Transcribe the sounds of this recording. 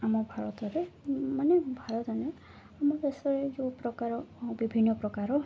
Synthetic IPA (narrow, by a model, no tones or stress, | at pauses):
amɔbʱaɾɔt̪ɔɾemanebʱaɾɔt̪ɔne | amɔd̪esɔɾed͡ʒopɾɔkaɾɔbibʱinːɔpɾɔkaɾɔ